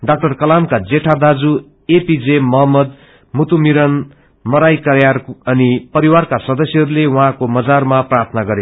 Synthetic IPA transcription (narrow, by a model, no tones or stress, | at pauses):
ɖak̚ʈʌrkʌlamkad͡zeʈʰad̪ad͡zu | epid͡zemʌɦʌmːʌd̪ | mut̪umiɾʌn | mʌɾajkʌɾjarʌnipʌɾiwarkasʌd̪ʌsjʌɦʌɾulewuɦãkomʌd͡zarmaprart̪ʰʌnaɡʌɾe